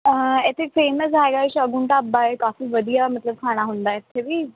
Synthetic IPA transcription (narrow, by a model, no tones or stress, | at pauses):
əet̪ʰefeːməs̬aeɡaɕəɡuɳʈabːaekafiːʋəd̪ʱijamət̪ləb̚kʰaɽ̃aɦond̪ajet̪ʰːebiː